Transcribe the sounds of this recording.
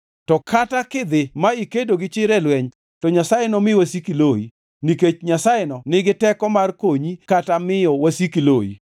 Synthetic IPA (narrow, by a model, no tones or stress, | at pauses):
tɔkʰatakɪd̪ɪmaikedoɡɪt͡ʃɪɾɛlwɛɲ | tɔɲasajɪnɔmɪwasikiloi | niket͡ʃɲasaɪnɔnɪɡɪtɛkɔmarkoɲikatamɪjɔwasikiloḭ